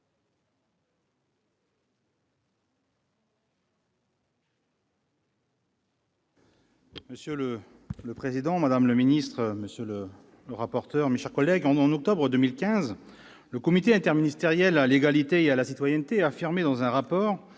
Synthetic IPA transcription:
məsjølə | ləpχezid̪ɑ̃mad̪amləminist̪χəməsjølə | ləʁapɔʁt̪œʁmeʃɛʁkɔlɛɡɑ̃ɑ̃nɔk̚t̪ɔbʁəd̪ømilkʲɛ̃z | ləkɔmit̪eɛ̃t̪ɛʁminist̪eʁjɛlaleɡalit̪eealasit̪wajɛnt̪eɛafiʁmed̪ɑ̃zɛ̃ʁapɔːʁ

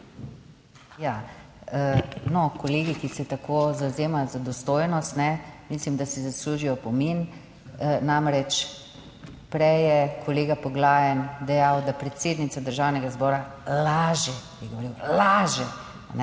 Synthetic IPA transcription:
ja | nɔkoleːɡikisɛt̪akʰozawzeːmajzad̪ɔst̪oːjnɔst̪nɛmislimd̪asɛzasluːʒijɔpɔmin | namɾɛt͡ʃ | pɾɛjɛkʰoleːɡapɔɡlaːjɛnd̪ɛjawd̪apɾɛt̪seːd̪nit̪sad̪əɾʒawnɛɡazbɔːɾalaːʒɛjɛɡoʋoɾiwlaʒɛ | nɛ

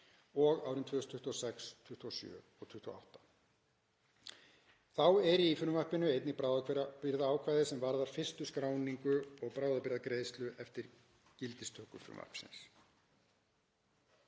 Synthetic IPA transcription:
ɔɣa̰ːwɾɪʏmt̪ʰʏːst̪ʰʏht̪uasɛkst̪ʰʏht̪uasjœ̰ːɔɣt̪ʰʏht̪ʰua̰a̰wht̪ḁ | θawɛɾiifɾʏmvar̥pɪnʏejt̪nɪpɾaːwðakʰvɛɾpɪɾðaaːwkʰvajðɪsɛmvaɾðaɾ̥fɪr̥st̪ʏskɾaːwniŋkʏɔɣpɾaːwðapɪɾðakɾeːjðst̪lʏʔɛft̪ɪɾ | cɪlt̪ɪst̪ʰœːhkʏfɾʏ̰mva̰r̥psɪ̰ns

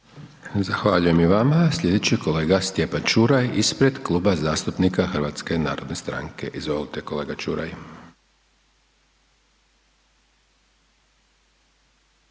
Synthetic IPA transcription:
zaxʋaʎuje̞miʋamaslʎʲje̞d̪e̞t͡ɕikʰo̞le̞ːɡast̪je̞pant͡ʃuɾajispɾe̞d̪klˠuːbazaːst̪upnikaxrʋat̪ske̞na̰ːɾo̞d̪nest̪ɾa̰ŋke̞ʔizʋo̞lit̪e̞ko̞le̞ːɡat͡ʃuɾa̰j

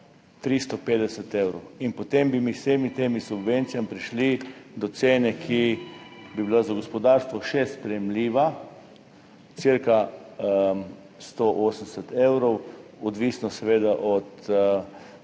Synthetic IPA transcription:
t̪ɾist̪ɔpeːd̪ɛsət̪ewɾɔwinpɔt̪embimiseːmit̪emisubʋent̪sijamipɾiʃlid̪ɔt̪seːnɛkʰi | bibilazaɡɔspɔd̪aɾst̪ʋɔʃɛspɾɛjɛmliːʋa | siɾka | st̪oʔoːsənsɛt̪ewɾɔwɔd̪ʋisnɔsɛʋeːd̪aʔɔt̪

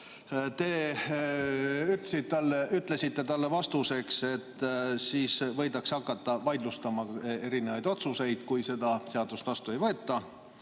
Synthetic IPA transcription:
t̪e̞ː | yt̪lesit̪ːɑlːeyt̪ːˑle̞sit̪ːe̞t̪ɑlːe̞vɑst̪use̞kse̞t̪ːˑsiːsvɤ̞jd̪ɑksɑkːˑɑt̪ːɑvɑjd̪lust̪ɑmɑe̞ɾine̞vɑjd̪o̞t̪suse̞jd̪̥kujse̞d̪ɑse̞ɑd̪̥ust̪vɑst̪ue̞jvɤet̪ːɑ

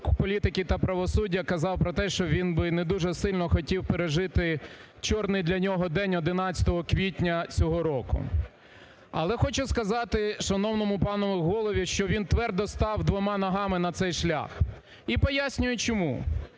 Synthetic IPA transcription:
pɔlʲit̪ɪkʲɪt̪ɐpɾɐʋɔsudʲːɐkɐzɑwpɾɔt̪ɛʃt͡ʃɔʋʲinbɪned̪uʒɛsɪlʲnɔxɔtʲiwpeɾeʒɪt̪ɪ | t͡ʃɔrnɪjd̪lʲɐnʲɔɦɔd̪ɛnʲɔd̪ɪnɑt͡sʲɐ̥t̪ɔɦɔkʋʲitʲnʲɐt͡sʲɔɦɔɾɔkʊ̰ | ɐ̰lˠɛxɔt͡ʃʊskɐzɑt̪ɪʃɐnɔwnɔmʊpɑnɔʋɪɣɔlˠɔʋʲiʃt͡ʃɔʋʲint̪ʋɛrd̪ɔst̪ɑwd̪ʋɔmɑnɐɦɑmɪnɐt̪sɛjʃlʲa̰x | ipɔjasʲnʲʊjʊt͡ʃɔmṵ

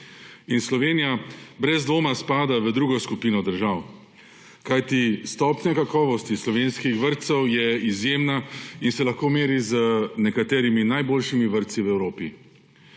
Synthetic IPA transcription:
inslɔʋeːnijabɾɛzd̪ʋoːmaspaːd̪aʋəd̪ɾuːɡɔskupiːnɔd̪əɾʒaw | kajt̪ist̪ɔːpnakakɔːʋɔst̪islɔʋenskixʋəɾt̪sɛwjɛizjeːmnainsɛlaxkoːmeːɾizənɛkat̪ɛːɾiminajboːlʃimiʋəɾt̪siwɛwɾoːpi

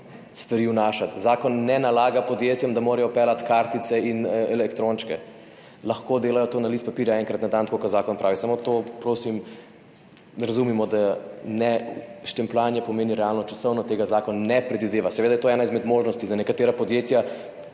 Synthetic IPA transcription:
st̪ʋɐɾiwnaːʃat̪zaːkɔnːɛnalaːɡapɔd̪jeːt̪jamd̪amoːɾɛjɔpɛːlat̪kaɾt̪it̪sɛinɛlɛkt̪ɾont͡ʃkɛ | laxkod̪eːlajɔt̪oːnaliːst̪̚papiːɾjaɛŋkɾɐt̪nad̪ant̪kokaɾzaːkɔnpɾʔaːʋisamot̪opɾoːsim | ɾɐzumimɔd̪anɛʃt̪ɛmplanjɛpɔmeːniɾɛalnɔt͡ʃḁsɔwnɔt̪eːɡazaːkɔnnɛpɾɛd̪ʋid̪eːʋasɛʋed̪ajɛt̪oːɛːnaizmɛd̪moːʒnɔst̪izanɛkat̪eːɾapɔd̪jet̪ja

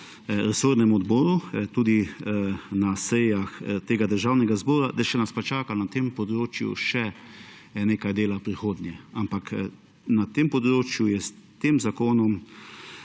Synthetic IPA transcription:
ɾɛsoːɾnɛmɔd̪bɔːɾut̪uːd̪i | nasɛjaxt̪eːɡad̪əɾʒaːwnɛɡazbɔːɾad̪aʃɛnaspat͡ʃaːkanat̪eːmpɔd̪ɾoːt͡ʃjṵʃɛ | neːkajd̪eːlapɾixoːd̪njɛampak | nat̪eːmpɔd̪ɾoːt͡ʃjujɛst̪eːmzakoːnɔm

